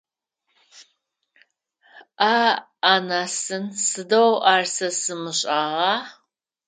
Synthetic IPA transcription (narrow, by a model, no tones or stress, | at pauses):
ʔaː | anasɨnsɨdɐwʔaːrsɐsɨmɨɕʼɑʁɑː